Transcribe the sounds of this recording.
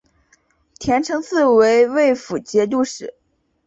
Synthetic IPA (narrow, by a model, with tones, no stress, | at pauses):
t̪ʰjɛ˧˥nʈ͡ʂʰɤ˧˥ŋt͡sɹ̩˥˩we˧˥ɪwe˥˩ɪfu˨˩t͡ɕjɛ˧˥t̪u˥˧ʂɻ̩˨˩˦